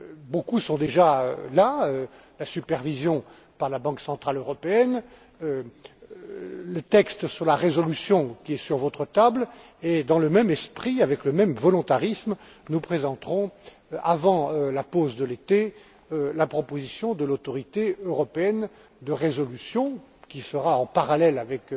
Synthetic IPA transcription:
bokusɔ̃d̪eʒaølaølasypɛʁvizjɔ̃ | paʁlabɑ̃ksɑ̃t̪χaløʁɔpeɛn | ø | lət̪ɛkst̪syʁlaʁezɔlysjɔ̃kʲiɛsyʁvɔt̪χət̪abl | ed̪ɑ̃ləmɛmɛspχiavɛkləmɛmvɔlɔ̃t̪aʁism | nupχezɑ̃t̪χɔ̃ | a̰vɑ̃ølapozd̪əlet̪e | lapχɔpozisjɔ̃d̪əlot̪ɔʁit̪eøʁɔpeɛn | d̪əʁezɔlysjɔ̃ | kʲisəʁaɑ̃paʁalɛlavɛk

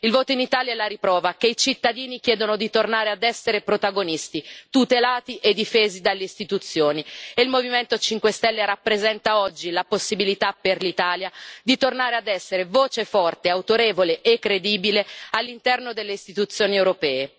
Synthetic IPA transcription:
ilvoːt̪oinit̪aːljaɛlːaɾipɾɔːvakeit͡ʃit̪ːad̪iːnik̟jɛːd̪onod̪it̪ornaːɾead̪ɛsːeɾepɾot̪aɡonist̪it̪ut̪elaːt̪iʔed̪ːifeːzid̪alːeist̪it̪ut̪sːjoːnieilmoviment̪ot͡ʃiŋkwest̪ɛlːeɾapːɾezɛnt̪aɔd͡ʒːilaposːibilit̪aperlit̪aːljad̪it̪ornaːɾead̪ɛsːeɾevoːt͡ʃefɔrt̪eawt̪oɾeːvoleʔekːɾed̪iːbilealːint̪ɛrnod̪elːeist̪it̪ut̪sːjoːniewɾopɛːe

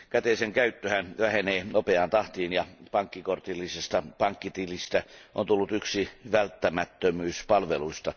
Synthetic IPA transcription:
kæt̪eseŋkæyt̪ːøhænʋæheneːnopeɑnt̪ɑht̪iːnjɑpɑŋkːikort̪ilːisest̪ɑpɑŋkːit̪ilist̪æʔo̰nt̪ulːut̪yksiʋælt̪ːæmæt̪ːømyːspɑlʋeluist̪ɑ

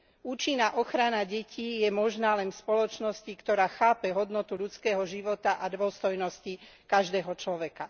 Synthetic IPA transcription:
uːt͡ʃinːaʔɔxɾanaɟɛcʰiːjɛmɔʒnaːlɛnfspɔlɔt͡ʃnɔscikt̪ɔɾaːxaːpɛɦɔd̪nɔt̪uʎut͡skɛːɦɔʒiʋɔt̪aʔad̪ʋɔst̪ɔjnɔscikaʒd̪ɛːɦɔt͡ʃlɔʋɛka

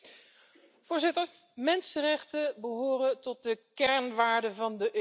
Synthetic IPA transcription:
v̥ʊːɹzɪtəɹ | mɛnsərɛχtəbəɦoːrəntɔt̚dəkɛɹnʋaːɹdəvɑndəʔø

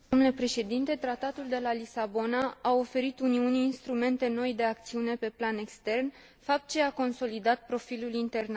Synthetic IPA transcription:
d̪omnulepɾe̞ʃe̞d̪int̪e̞t̪ɾat̪at̪uld̪e̞lalisabo̞naao̞fe̞ɾit̪uniuniːnst̪ɾume̞nt̪e̞no̞jd̪e̞akt̪siune̞pe̞plane̞kst̪e̞rn | fap̚t̪̚t͡ʃeako̞nso̞lid̪at̪̚pɾo̞filulint̪e̞rna

